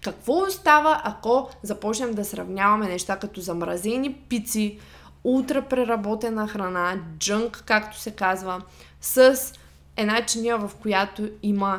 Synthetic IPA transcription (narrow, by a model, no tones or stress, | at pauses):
kɐkv̥ɔst̪avəʔakɔzɐpɔt͡ʃnɛmd̪ɐsɾɐvnʲavɐmɛnɛʃt̪akɐt̪ɔzɐmɾɐzɛnipit̪si | ut̪ɾəpɾɛɾɐbɔt̪ɛnəxɾɐnad͡ʒɤŋkːakt̪o̥sɛkazvə | səs | ɛd̪nat͡ʃinʲəvɐfkojat̪oimə